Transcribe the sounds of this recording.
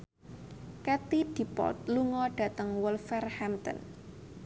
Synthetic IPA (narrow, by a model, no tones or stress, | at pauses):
kɛt̪id̪̥i̤pɔ̰t̪̚luŋɔɖ̥a̤t̪əŋwɔlfɛrhɛmt̪ə̰n